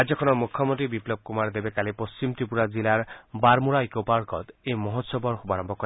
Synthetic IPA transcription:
ad͡ʒɔkʰɔnɔmukʰːɔmɔnt̪ɾibiplɔb̚kumaɾd̪ebekalipɔst͡ʃimt̪ɾipuɾad͡ʒilaɾbaɾmuɾajkopaɾkɔ̰t̪emɔɦɔt̪sɔbʱɔɾxubaɾɔmbʱɔkɔɾe

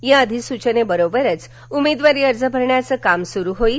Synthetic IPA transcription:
jãəd̪ʱisut͡ɕənebəɾobəɾət͡s | umed̪ʋaɾiːəɾd͡zəbʱəɾɳjat͡səkamsuɾuɦoi

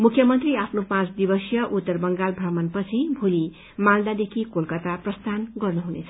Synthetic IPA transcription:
mukʰjʌmʌnt̪riapʰnopãt͡sd̪ibʌsjʌʔut̪ːʌrbʌŋɡalbʱramʌnpʌt͡sʰibʱuli | mald̪ad̪ekʰikolkʌt̪aprʌst̪ʰanɡʌrnuɦunet͡sʰʌ̥

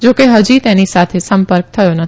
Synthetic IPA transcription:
d͡ʒokeɦəd͡ʒit̪enisat̪ʰesə̃mpəɾk̚t̪ʰəjonət̪

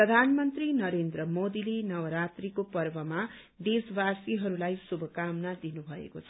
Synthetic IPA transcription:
prʌd̪ʱanmʌnt̪rinʌɾend̪rʌmod̪ilenʌwʌɾat̪rikopʌrbʌma | d̪esbasiɦʌɾulajsubʱʌkamnad̪inubʱʌḛkot͡sʰʌ

